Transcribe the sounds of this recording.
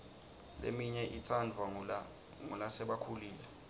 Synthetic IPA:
lḛmiɲɛʔitʰandʱwa | ŋulasɛɓakʰuliːlɛ

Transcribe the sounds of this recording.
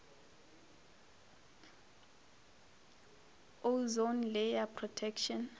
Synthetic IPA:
ozonlɛjapʰrɔtʰɛkʃɔn

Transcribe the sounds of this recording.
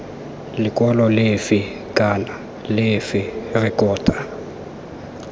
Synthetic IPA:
lɪkʼwalɔlɪfɪ | kʼana | lɪfɪrɪkʼɔːtʼḁ

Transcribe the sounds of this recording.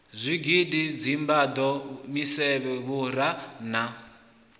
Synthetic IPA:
zʷiɡidid͡zimbad̪ɔmisɛβɛβuɾana

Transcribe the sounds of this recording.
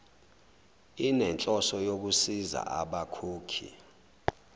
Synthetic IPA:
inɛnt͡ɬʼɔsɔjok̬usiza̰ʔaɓakʰoːkʰḭ

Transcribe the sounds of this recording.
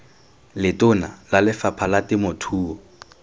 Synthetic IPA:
lɪtʊnalalɪfapʰalatɪmʊtʰuːɔ

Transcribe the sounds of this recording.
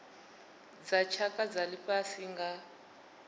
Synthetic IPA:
d͡zat͡ʃʰakad͡zalipʼasiŋɡa

